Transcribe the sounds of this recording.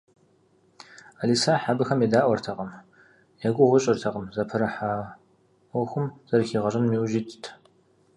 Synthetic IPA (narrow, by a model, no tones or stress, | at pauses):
aliːsaːħabɨxɐmjeːdaːʔʷɔrtʰɐqəm | jaɡʷʊʁʷʊɕʼɪrtʰɐqʼəmzɐpʰɨɾɐħaː | wʷɔxʷʊmz̥ɐrxiːʁɐɕʼɪmːiːwʒiːtʰtʰ